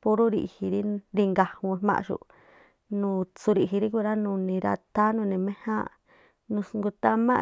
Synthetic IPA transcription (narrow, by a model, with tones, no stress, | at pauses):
po˦ɾu˦ɾi˧ʔhi˧ɾi˦ɾi˧ŋɡa˨hũ˧mã̰˦˧ʃṵ˧ʔ | nũ˨˧t͡su˧ɾi˧˨ɦi˧ɾi˦ku˧ɾa˦nũ˧˨nĩ˧ɾa̰˧t̪a˦nũ˧nĩ˨mẽ˦hã̰˦˧ | nũ˧sŋɡu˧t̪a˦mã̰˦